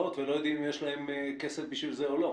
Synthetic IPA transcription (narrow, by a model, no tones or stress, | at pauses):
ot̪velo̞jo̞d̪imimjeʃlahe̞mke̞sefbiʃvilzeo̞lo̞